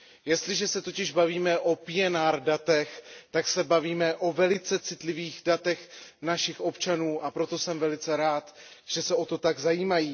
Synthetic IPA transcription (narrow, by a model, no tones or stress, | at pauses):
jɛst̪lɪʒɛsɛt̪o̞cɪʒbaviːmɛʔo̞pɪjɛnaːɾdat̪ɛxt̪aksɛbaviːmɛʔo̞vɛlɪt͡sɛt͡sɪt̪lɪviːɣdat̪ɛxnaʃɪxʔo̞pt͡ʃanuːʔapɾo̞t̪o̞sɛmvɛlɪt͡sɛɾaːt̪ | ʒ̥ɛsɛʔo̞t̪o̞t̪aɡzajiːmajiː